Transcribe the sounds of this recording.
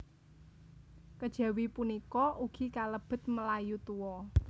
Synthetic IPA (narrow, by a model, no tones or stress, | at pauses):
kəd̥ʒ̥ä̤wipunikɔʔuɡ̥i̤kaləb̥ə̤t̪̚məlajut̪uwɔ